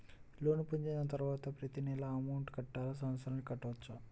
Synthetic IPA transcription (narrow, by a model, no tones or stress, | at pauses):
lo̞ːnupuɲd͡ʒenɐt̪ɐɾuʋaːt̪ɐpɾɐt̪inɛlɐːmɐwɳʈkɐʈːaːlɐs̬ɐmɐt̪sʰɐɾɐlkɐʈːɐʋɐt͡ʃːa